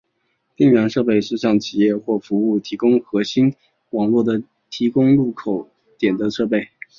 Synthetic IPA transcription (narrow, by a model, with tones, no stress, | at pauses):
t̪i˥˩ŋɥɑ˧˥nʂɤ˥˧pe˥˧ɪʂɻ̩˥˧ɕjɑ˥˩ŋt͡ɕʰi˨˩jɛ˥˧xwɔ˥˩fu˧˥u˥˩t̪ʰi˧˥kʊ˥ŋxɤ˧˥ɕi˥n | wɑ˨˩ŋlwɔ˥˩d̪ə˩ | t̪ʰi˧˥kʊ˥ŋlu˥˩kʰo˨˩ʊ | t̪jɛ˨˩nd̪ə˦ʂɤ˥˧pe˥˩ɪ